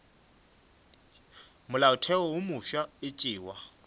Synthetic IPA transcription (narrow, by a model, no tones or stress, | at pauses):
mʊlaʊtʰɛɔwʊmʊʃaɪt͡ʃʼɪːwa